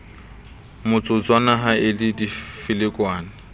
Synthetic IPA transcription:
mʊt͡sʼʊt͡sʼwanaɦaɪlɪdifɪlɪkʼwaːnɪ

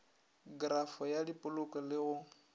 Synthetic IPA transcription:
ɡrafɔjadipʼʊlʊkʼɔlɪɣʊ

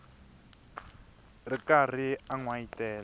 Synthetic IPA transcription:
rikar̤iaŋwaitɛːla

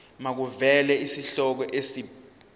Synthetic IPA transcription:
mak̬uvɛlɛisiɬɔk̬ɔʔesi

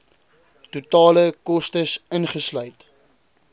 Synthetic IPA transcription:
tutɑːləkɔstəsənχəslœɥt

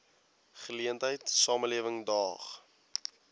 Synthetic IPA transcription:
χəliəntɦəjtsɑːməliəvəŋdɑːχ

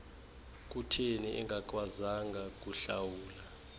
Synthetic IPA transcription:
k̬ʼutʰeniʔɛ̰ŋɡʱak̬ʼwazaŋɡʱak̬ʼuɬa̰wuːla

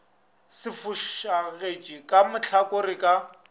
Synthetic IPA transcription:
sɪfʊʃaɣet͡ʃʼikʼamʊt͡ɬʰakʼorɪkʼa

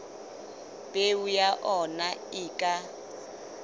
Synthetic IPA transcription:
bʼeujaʔɔnaɪːkʼa

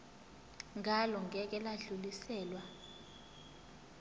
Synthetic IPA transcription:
ŋʱalɔŋʱɛk̬ɛlaɮulisɛːlwa

